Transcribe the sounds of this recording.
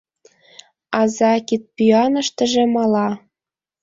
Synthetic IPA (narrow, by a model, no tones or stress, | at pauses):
ɑzɑkit̪̚pyɑnɤ̆ʃt̪ə̆ʒĕmɑlɑ